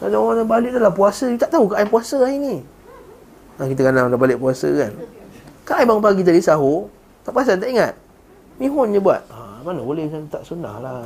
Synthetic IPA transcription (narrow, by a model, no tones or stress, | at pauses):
adaanabalɪʔdəlahpuasəjut̪aʔt̪aukaʔajpuasəaini | akit̪akanaŋlabalɪʔpuasə̰kankaʔajbaŋpak̬it̪̬adisaɦo | t̪aʔpas̬ant̪aʔiŋat̪̚ | miɦʊnd͡ʒəbua̰t̪̚amanabolɛhkant̪aʔsuna̰hla